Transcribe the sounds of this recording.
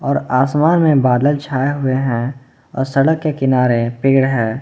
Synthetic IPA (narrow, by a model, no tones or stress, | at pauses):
ɔːɾaːsmaːnmẽbaːd̪əlt͡ʃʰaːeɦʊeɦɛ̃ | ɔ̰ːɾsəɽəkːekɪnaːɾepɪːɡɽɦɛ̃ː